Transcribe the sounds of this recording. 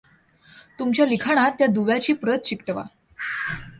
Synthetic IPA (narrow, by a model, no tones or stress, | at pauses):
t̪umt͡ɕjalikʰaɽ̃at̪ːjad̪uʋjat͡ɕiːpɾət̪̚t͡ɕikʈəʋa̰